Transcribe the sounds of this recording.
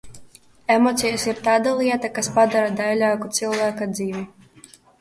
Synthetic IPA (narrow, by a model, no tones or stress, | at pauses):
emɔt̪sijasiɾt̪aːd̪alˠiɛt̪akaspad̪aɾad̪ajlʲaːkut̪silˠvaːkad̪ziːvʲi